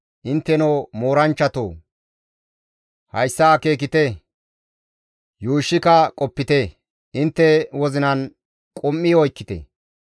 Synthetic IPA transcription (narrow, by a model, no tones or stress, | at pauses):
ʔɪnt̪ːɛnoːmoːɾɐnt͡ʃːɐt̪o̰ː | hɐjsːaːke̞ːk̬ɪt̪ɛ | juːʃːɪkɐkʼɔpːɪt̪e | ʔɪnt̪ːɛwɔzɪnɐn | kʼʊmːiɔjkːɪt̪ɛ̰